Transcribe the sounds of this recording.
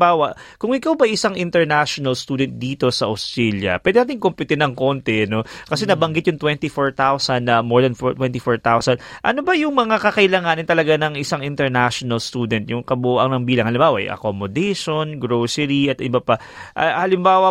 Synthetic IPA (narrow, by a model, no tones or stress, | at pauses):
baːwɐ | kʊŋɪkawbɐʔɐjʔɪsaŋʔɪnt̪ɛɹnaʃonɐlst̪uːd̪ɛnt̪̚d̪iːt̪o̞sɐʔɐwst̪ɹɛljɐ̰pwɛd̪ɛnaːt̪ɪŋkompɪt̪ɛnɐŋko̞nt̪ɛno̞kɐsɛnɐbɐŋɡɪt̪jʊŋt̪wɛnt̪ifoɹt̪awsɐnd̪ːɐmoɹd̪ɐnft̪wɛnt̪ifoɹt̪awsɐnʔɐ̰nobɐjʊŋmɐŋakɐkɐʔɪlɐŋaːnɪnt̪ɐlɐɡanɐŋɪsaŋʔɪnt̪ɛɹnaʃonɐlst̪uːd̪ɛnt̪jʊŋkɐbʊʔɐ̰ŋnɐŋbiːlɐŋhɐlɪmbaːwɐ̰ʔjʔɐ̰komod̪ɛjʃonɡɾosɛɾiʔɐt̪ʔɪbɐpa | ʔɐhɐlɪmbaːwɐ